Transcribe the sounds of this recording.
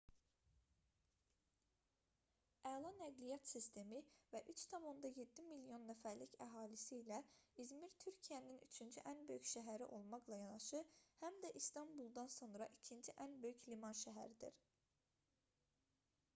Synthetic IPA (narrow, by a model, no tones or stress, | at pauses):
ælˠɑnæɡlijɑt̪sist̪ʰe̞mivæʔyt͡ʃt̪ʰɑmo̞nd̪ɑje̞d̪ːimilijo̞nːæfæɾlicæɦɑːlisiːlæizmiɾt̪ʰyɾcʰijæninyt͡ʃʰynd͡ʒyʔænbø̞jyçʃæɦæɾiʔo̞lˠmɑχlˠɑjɑnɑʃɯhæmd̪æʔist̪ɑmbulˠd̪ɑnso̞nɾɑʔicʰind͡ʒiʔænbø̞jyclimɑnʃæɦæ̰ɾid̪ḭɾ